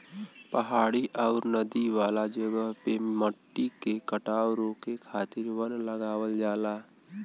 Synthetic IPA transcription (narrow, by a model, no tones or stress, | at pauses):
pəɦaːɽiʔɔːɾnəd̪iʋaːlad͡ʒəɡəɦpeməʈːikekəʈaːwɾõːkekʰaːt̪ɪɾʋənləɡaːwəld͡ʒaːlaː